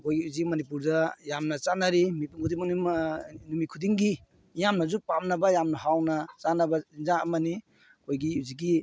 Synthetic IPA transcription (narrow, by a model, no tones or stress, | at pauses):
kʰojɡiuzimɐnipuɾdɐjamnɐt͡ʃanaɾimipuŋkʰudiŋmninumikʰudiŋɡi | jamnɐzupamnɐbɐjamnɐɦawnɐt͡ʃanɐbɐinzaɐmɐni | kʰojɡiziɡi